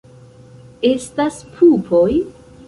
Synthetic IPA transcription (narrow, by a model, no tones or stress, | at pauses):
e̞staspʰupʰo̞j